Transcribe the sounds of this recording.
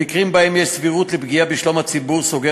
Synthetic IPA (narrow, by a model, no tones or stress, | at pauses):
ikʁimbahemjɛʃsviʁut̪lebɡiabiʃlomhat͡sibuʁsoɡe